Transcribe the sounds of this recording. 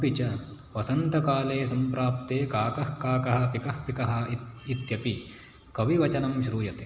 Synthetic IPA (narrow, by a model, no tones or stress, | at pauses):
pit͡ʃɐ | ʋɐsɐnt̪ɐkaːleːsɐmpɾaːp̚t̪eːkaːkɐhkaːkɐɦɐ̆pikɐhpikɐɦɐ̆it̪jɐpi | kɐʋiʋɐt͡ʃɐnɐmʃɾuːjɐt̪e